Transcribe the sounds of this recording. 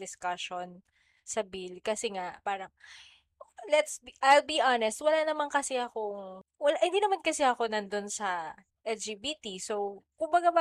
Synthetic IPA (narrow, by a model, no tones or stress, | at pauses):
d̪ɪskaʃon | sɐbilkɐsɛŋaʔpaːɾɐŋ | lɛt̪sbiʔajlbiʔanɛst̪wɐlanɐmaŋkɐsɛɐkowɐlaʔhɪnd̪iːnɐmankɐsɛɐko̞nɐnd̪o̞nsɐ | ʔɛld͡ʒiːbit̪isowkʊmbɐɡaba